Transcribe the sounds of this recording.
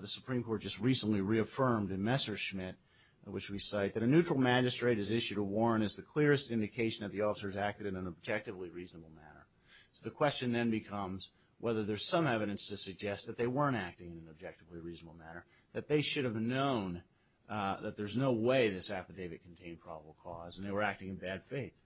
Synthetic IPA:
ðɨsə̥pʰɹ̥ĩmkʰɔɹt̚d̥ʒ̥ʌst̚ɹisə̃nʔliɹiɨfɜ̃˞mdɨ̃nmɛsə˞ʃmɪt̚ | wɨt͡ʃwisaɪt̪̚ðɨɾɨnʉt͡ʃɹ̥l̩ˠmæd͡ʒɨstɹ̥eɪɾɨzɪʃʉɾəwɔɹ̃ñɨzðɨkʰl̥ɪɹɨstɪ̃ndɨkʰeɪʃn̩ðɨt̪̚ðiɔfə̥sə˞zæk̚tɨɾɨ̃nɨ̃nəb̚d͡ʒɛk̚tɨvliɹiznəbl̩ˠmæ̰nə̰˞ | soʊðɨkʰw̥ɛst͡ʃɨ̃nðɨ̃nbɨkʰʌ̃mz̥ | wʔɛðə˞ðə˞z̥sʌ̃mɛvɨɾɨ̃nstʰɨsɨɡ̚d͡ʒɛst̪̚ðɨt̪̚ðeɪwɜ̃˞ñtæk̚tɪ̃ŋɨ̃nɨ̃nɨb̚d͡ʒɛk̚tɨvliɹiznəbl̩ˠmænə˞ | ðɨt̪̚ðeɪʃʊɾɨvnõʊ̃n | ðɨt̪̚ðə˞znoʊweɪðɪsæfɨdeɪvɨt̚kʰn̩tʰẽɪ̃npʰɹ̥ɑ̰bəbl̩ˠkʰɔz̃n̩ðeɪwə˞æk̚tɪ̃ŋɨ̃nbæd̥feɪθ

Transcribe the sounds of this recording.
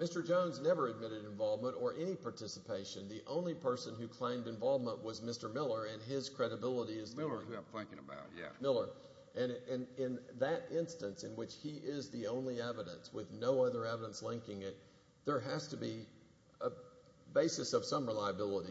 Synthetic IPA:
mɪstə˞d͡ʒõʊ̃nznɛvə˞ɨd̚mɪɾɨɾɨ̃ɱvɑlˠvmə̃ɾ̃tə˞ʔɛñipʰɑɹtʰɪsəpʰeɪʃɨ̃nðiʔõ̰ʊ̃nlipʰɜ˞sɨ̃nɦʉkʰl̥ẽɪ̃mdɨ̃ɱvɑlˠvmə̃nʔwʌzmɪstə˞mɪlˠə˞ɨ̃nɪz̥kʰɹ̥ɛɾɨbɪlˠəɾiɨzɪlˠə˞ãɪ̃mθɪ̃ŋkɪ̃ŋəba̰ʊjæ̰mɪlˠə˞ | ʔɨ̃nɨ̃nɪ̃nðɨɾɪ̃nstɨ̃nsɨ̃nwɪt͡ʃhiʔɪzðiõʊ̃nliɛvɨɾɨ̃nswɪðnoʊʌðə˞ɛvəɾə̃nslɪ̃ŋkɪ̃ŋɪt̪̚ | ðə˞ɦɨz̥tɨbi | ə | beɪsɨsʌv̥sʌ̃mɹɪlaɪɨbɪlˠəɾi

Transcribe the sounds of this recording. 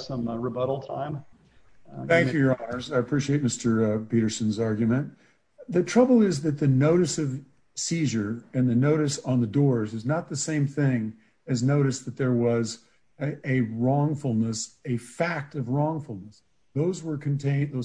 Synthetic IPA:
sʌ̃mɹɨbʌɾl̩ˠtʰã̰ɪ̃m | θæ̃ŋkkjʉjə˞ɑnə˞zaɪɨpʰɹ̥iʃieɪt̚mɪstə˞piɾə˞sɨ̃nzɑɹɡjɨmɨ̃n | ðɨtʰɹ̥ʌbl̩ˠɪzðɨt̪̚ðɨnoʊɾɨsʌv̥ | siʒə˞ɨ̃nðɨnoʊɾɨsn̩ðɨdɔɹzɨznət̪̚ðɨsẽɪ̃mθɪ̃ŋ | ɨznoʊɾɨsðɨt̪̚ðə˞wʌz | ɨɹɔ̃ŋfl̩ˠnəsɨfæk̚tʌvɹɔ̃ŋfl̩ˠnəs | ðoʊzwə˞kʰɨ̃n̩tʰẽɪ̃nðoʊ

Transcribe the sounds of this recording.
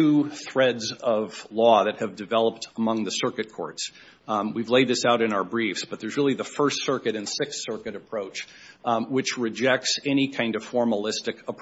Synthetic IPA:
uθɹɛdzʌv̥lɔðɨt̚hɨvdɨvɛlˠəp̚təmʌ̃ŋðɨsɜ˞kɨt̚kʰɔ̰ɹts | wivleɪd̪̚ðɪsaʊɾɨ̃ñaʊə˞bɹifsb̥ʌt̪̚ðə˞zɹɪlˠiðəfɜ˞stsɜ˞kɨɾɨ̃nsɪkssɜ˞kɨɾɨpʰɹ̥oʊt͡ʃ | wɨt͡ʃɹɨd͡ʒɛk̚tsɛñikʰãɪ̃ndʌv̥fɔɹməlɪstɨkəpʰ

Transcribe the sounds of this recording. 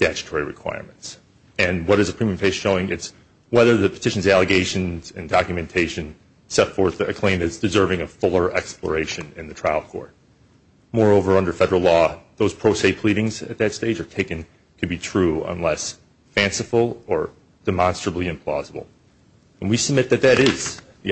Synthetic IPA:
d̥æt͡ʃɨ̥tʰɔɹiɹɨkʰw̥a̰ɪɹm̃nts | ɨ̃nwʌɾɨzəpʰɹ̥ĩmiə̃mpʰeɪsʃoʊɪ̃ŋɨz̥ | wɛðə˞ðɨpʰə̥tʰɪʃn̩zælˠɨɡeɪʃɨ̃nzɨ̃ndɑkjɨmɨ̃ntʰeɪʃɨ̃n | sɛtfɔɹθɨkʰl̥ẽɪ̃mðɨsd̥ɨzɜ˞vɪ̃ŋɨfʊlˠə˞ʔɛ̰ksplə̰˞eɪʃɨ̃nɪ̃nðɨtʰɹ̥aɪl̩ˠkʰɔ̰ɹt̚ | mɔɹoʊvə˞ʌ̃ndə˞fɛɾə˞l̩ˠlɔðoʊz̥pʰɹ̥oʊseɪpʰl̥iɾɪ̃ŋzɨ̰t̪̚ðɨtsteɪd͡ʒə˞tʰeɪkɨ̃n | kʰɨd̚bitʰɹ̥ʉə̰̃nlɛs | fæ̃nsɨfl̩ˠə˞ | d̥ɨmɑ̃nstɹ̥əbliɨ̃mpʰl̥ɑ̰zəbl̩ˠ | ɨ̃nwisɨb̚mɪt̪̚ðɨt̪̚ðɨɾɪz̥ði

